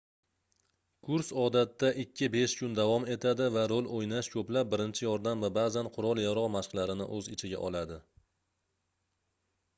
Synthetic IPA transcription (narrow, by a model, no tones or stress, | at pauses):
kʰʊɾsɒd̪at̪ːaʔɪkʲʰːɪbe̞ʃkʰʊnd̪avɒme̞t̪ʰad̪ɪvaɾolʔojnaʃkʰɵplap̚ːɪɾɪnt͡ʃʰɪjɒɾd̪amvabaːzanqʰʊɾɒlˠjaɾɒʁmaʃqlˠaɾɪnɪ̰ʔɵzɪt͡ʃʰɪɡʲa̰ʔɒlˠad̪ɪ